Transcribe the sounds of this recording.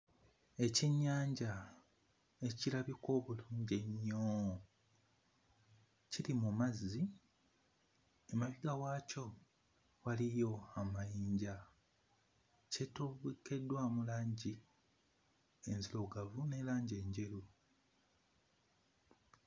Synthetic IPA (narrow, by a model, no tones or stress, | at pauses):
e̞ciɲːaːɲɟa | e̞cilaβiko̞ːβuluːɲɟe̞ɲːo | cilimumazːi | emaβiɡawaːco̞ | walijo̞amajiːɲɟa | cetuβke̞dːwamulaːɲɟi | e̞nziloɡavune̞laːɲɟe̞ːɲɟe̞lu